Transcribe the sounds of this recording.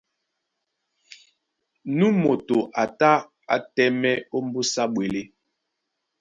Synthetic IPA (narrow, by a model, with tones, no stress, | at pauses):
nu˦mo˨to˨ʔa˨ta˦ | a̰˨tɛ˦mɛ˦o˦m˦bu˦sa˦ɓwe˨le˦